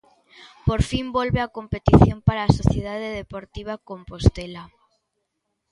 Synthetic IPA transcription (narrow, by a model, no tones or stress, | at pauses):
poɾfimbolβeakompet̪iθjompaɾaːsoθjeð̞aðeðepoɾt̪iβ̞akompost̪ela